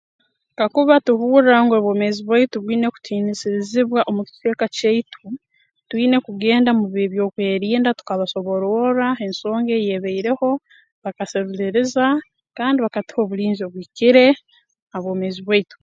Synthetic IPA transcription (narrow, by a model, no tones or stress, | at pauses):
tkakuβatuβuːɾaŋɡeβwo̞ːme̞ziβwaituβwiːne̞ku̥tʰiːnisiɾiziβwaʔomuki̥te̞ːkaceitʰu | twiːne̞kuɡe̞ːndamuβiβjo̞ːkwe̞ːɾiːndatu̥kaβaso̞βo̞ɾoɾae̞nso̞ːŋɡe̞jeβeiɾe̞ho̞ | βakaseɾuliɾeza | kaːndiβakati̥ho̞βuɾiːɲzioβwiːciɾe̞ | aβwo̞ːme̞ziβwaitu̥